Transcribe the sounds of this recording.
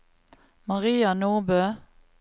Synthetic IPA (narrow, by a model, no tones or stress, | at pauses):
mɑʁiːɑnoːbøː